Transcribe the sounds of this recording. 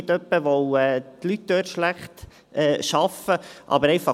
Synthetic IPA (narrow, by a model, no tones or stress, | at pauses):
ɪt̪œpːəʋowɛːt̪lyt̚d̥̪øːtʃlæχt̪ | ʔɛːʃɑfəʔɑ̰bəɾɛɪfɑ